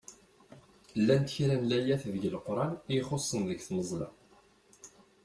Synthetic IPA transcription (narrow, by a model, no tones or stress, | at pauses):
lːænt̪çiɾænlæjæθðəʝəlqɾˤɑnijχosˤːənðəɡθməzˤlɑ̰